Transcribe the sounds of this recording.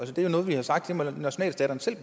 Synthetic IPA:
ælsəd̥ejo̝nɔ̽ːð̞̩ˠʋihɑ̈sɑ̈ɡ̥d̥d̥e̝mɒ̽næɕo̝nɛ̰ːl̥sd̥ɛːɾɐn̩sel̰b̥

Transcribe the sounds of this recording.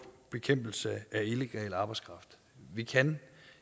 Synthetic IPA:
b̥e̝kʰem̰b̥l̩səæileɡ̥ɛ̰ːlɑ̈ːb̥ɑ̈ɪskʰʁɑ̈fd̥ | ʋikʰæn

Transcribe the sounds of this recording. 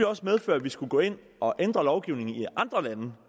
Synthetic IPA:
iɒ̽smeð̞ˠføɶɐʋisɡ̥uɡ̥ɔ̰̽ːe̝n̰ | ɒ̽ʔend̥ʁɐlɒʊɡ̥iʊne̝ŋn̩iʔɑ̈nd̥ʁɐlænə

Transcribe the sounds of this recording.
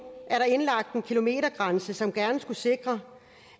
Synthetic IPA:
ʔæɐɾɑ̈e̝nlɑ̈ɡ̥̚d̥enkʰilo̝me̝̰ːɾɐɡ̥ʁɑ̈nsəsɒ̽mɡ̥æɐnəsɡ̥use̝ɡ̥ʁɐ

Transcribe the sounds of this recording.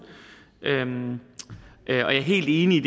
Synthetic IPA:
ʔøm | ʔøɒ̽jɑ̈æɐɦe̝̰ːld̥e̝ːniid̥

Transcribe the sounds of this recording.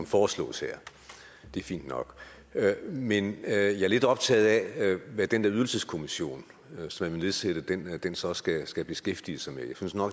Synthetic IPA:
mfɒːslɔ̰̽ːsheɐ̰ | d̥e̝æɐfḭːnd̥nɒ̽ɡ̥ | menjɑ̈æɐle̝d̥ɒ̽b̥̚t͡sʰɛ̰ːð̞̩ˠæʋæd̥end̥eɐyðˠl̩səskʰo̝miɕo̝̰ːn | sɒ̽mæʋene̝ðˠseɾ̥ɐd̥end̥ensɒ̽sɡ̥æsɡ̥æb̥e̝sɡ̥efd̥iəsɑ̈ɪmejɑ̈synsnɒ̽ɡ̥

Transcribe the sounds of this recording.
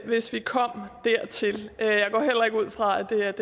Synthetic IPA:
ʋe̝sʋikʰɒ̽m̰d̥æɐ̰t͡sʰe̝løjɑ̈ɪɡɒ̰ːɦel̰ɐe̝ɡ̥uð̞̰ˠfʁɑ̈æd̥e̝d̥

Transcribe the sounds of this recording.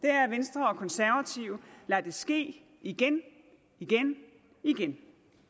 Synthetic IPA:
d̥e̝æɐʋensd̥ʁɐɒ̽kʰɒ̽nsæɐʋæt͡sʰiʊlæd̥e̝sɡ̥e̝̰ː | iɡ̥en | iɡ̥en | iɡ̥en

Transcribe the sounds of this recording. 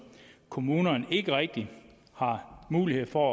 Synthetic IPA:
kʰo̝muːnɐne̝ɡ̥əʁɛɡ̥̚d̥i | hɑ̈muːlihe̝ð̰ˠfɒ

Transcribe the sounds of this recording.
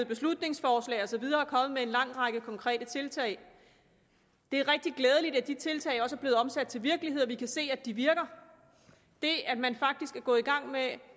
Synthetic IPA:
b̥e̝slud̥ne̝ŋsfɒːslɛ̰ɪɒ̽sɒ̽ʋið̞ˠɐːkʰɒ̽mð̩ˠmee̝nlɑ̈ŋ̰ʁɑ̈ɡ̥əkʰɒ̽ŋkʰʁɛ̰ːd̥ət͡sʰe̝lt͡sʰɛ̰ɪ | d̥e̝æɐʁɛɡ̥̚d̥iɡlɛːð̞ˠəlid̥æd̥it͡sʰe̝lt͡sʰɛ̰ɪɒ̽səæɐb̥le̝ːð̩ˠɒ̽msæd̥̚t͡sʰe̝lʋiɐɡ̥liɦe̝ð̰ˠɒʋikʰæse̝̰ːæd̥iʋiɐɡ̥ɐ | d̥e̝æd̥mænfɑ̈ɡ̥̚d̥isɡ̥æɡ̥ɔ̽ːiɡ̥ɑ̈ŋ̰me

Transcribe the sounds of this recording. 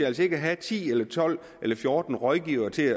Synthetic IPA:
æl̰s̬əe̝ɡ̥əæɦæt͡sʰḭːelɐt͡sʰɒ̽l̰ | ʔelɐfjoːd̥n̩ʁɒðˠɡ̥iʊɐːt͡sʰe̝æ

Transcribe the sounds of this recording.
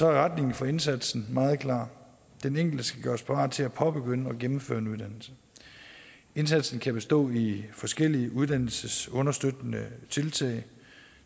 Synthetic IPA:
sɒ̽æɐʁad̥ne̝ŋn̩fɒe̝nsæd̥sn̩mɑ̈ːð̞̩ˠkʰlɑ̰̈ː | d̥eneŋ̰ɡ̥l̩dəsɡ̥æɡ̥ɶːɐspʰɑɑ̰̥̈ːt͡sʰe̝læpʰɒ̽b̥eɡ̥ønəɒ̽ɡ̥emm̩fø̰ːɐe̝nuðˠd̥æn̰l̩sə | e̝nsæd̥sn̩kʰæb̥e̝sd̥ɔ̰̽ːifɒ̽sɡ̥el̰iəʔuðˠd̥æn̰l̩səsɔ̽nɐsd̥ød̥nət͡sʰe̝lt͡sʰɛ̰ɪ

